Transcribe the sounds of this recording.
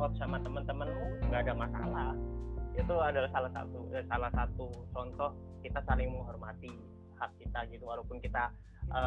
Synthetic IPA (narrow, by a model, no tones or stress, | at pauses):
ɔt̪̚samat̪əmənt̪əmənuŋɡaːdamasa̰lahit̪uadalahsalasa̰t̪uadsalahsat̪ut͡ʃɔnt̪ɔh | kit̪asalɪŋməŋɦɔrmat̪i | hak̚ːit̪aɡit̪uwalaupʊnkit̪a | ʔə